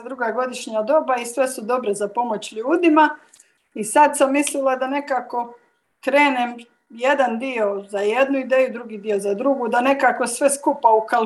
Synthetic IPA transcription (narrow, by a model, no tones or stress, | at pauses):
d̪ɾuɡaɡo̞d̪iʃɲad̪o̞baisʋe̞sud̪o̞bɾe̞zapo̞mo̞t͡ɕʎuːd̪ima | isad̪samːislilˠad̪ane̞kaːko̞ | kɾe̞ːnem | je̞d̪and̪io̞zajed̪nuid̪e̞ːjud̪ɾuɡiːd̪io̞zad̪ɾuɡud̪ane̞kako̞sʋe̞skupaukal